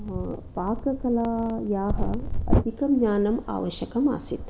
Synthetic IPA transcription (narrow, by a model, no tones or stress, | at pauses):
paːkɐkɐlaːjaːɦɐɐ̰d̪ʱikɐmɲaːnɐma̰ːʋɐʃjɐkɐma̰ːsit̪